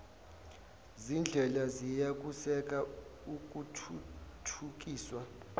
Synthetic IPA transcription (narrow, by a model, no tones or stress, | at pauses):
zind͡ɮʱɛlazijak̬ʼusɛk̬ʼauk̬ʼutʰuk̬ʼiːswa